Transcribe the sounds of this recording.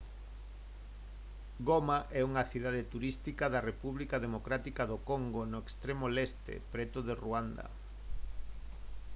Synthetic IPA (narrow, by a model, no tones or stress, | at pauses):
ɡomaʔɛuŋɐθiðað̞et̪uɾist̪ikaðɐrepuβlikaðemokɾat̪ikaðokoŋɡonoekst̪ɾemolest̪ḛpɾɛt̪ʊðeruand̪ɐ̰